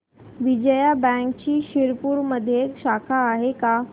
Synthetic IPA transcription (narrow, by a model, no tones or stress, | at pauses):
ʋɪd͡ʑəjabɛ̃ːŋkt͡ɕiːʃɪɾpuɾməd̪ʱjeekʃaːkʰaːɦeka